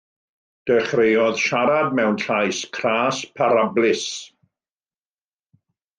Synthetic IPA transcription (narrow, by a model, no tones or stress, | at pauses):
d̥əχrejɔðʃaɾad̚mɛwnɬajskʰraːspʰaɾablɪs